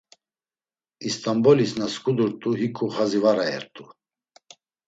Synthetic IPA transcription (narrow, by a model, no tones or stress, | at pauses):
ist̪ʼambɔlisnaskʼud̪uɾt̪ʼuɦikʰʼuχazivaɾaɛ̰ɾt̪ʼu